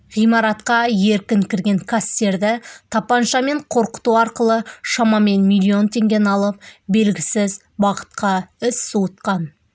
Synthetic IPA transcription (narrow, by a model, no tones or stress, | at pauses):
ʁijmɑɾɑt̪qɑje̞ɾkʲɪŋkʲʰɪɾɡʲe̞ŋkʰast̪e̞ɾd̪ɪt̪ʰɑpɑnʃɑme̞ɴqʰo̞ɾqə̥t̪uɑɾqəlˠəʃɑmɑme̞nmilʲˠːio̞nt̪ʰe̞ŋɡʲe̞nɑlˠəp̚be̞lɡʲɪsɪz | bɑʁə̥t̪qɑɪsːut̪qɑn